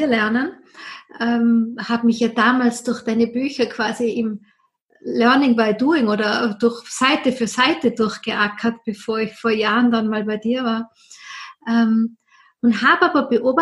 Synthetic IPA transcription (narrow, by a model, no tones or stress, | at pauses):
iːɐlɛɐnən | ʔɛːmhaːbmɪçjaːd̥aːmaːlsd̥ʊɐxd̥aɪnəbyːçɐkʰv̥aːziɪm | lɛɐnɪŋbaɪduːɪŋoːdɐd̥ʊɐxsaɪtəfyːɐsaɪtədʊɐçɡ̥əʔaːkʰɐtb̥efoːɐɪçfoːɐjaːʁəndanmaːlbaɪdiːɐvaːɐ | ʔɛm | ʊnthaːbaːbɐb̥əʔoːba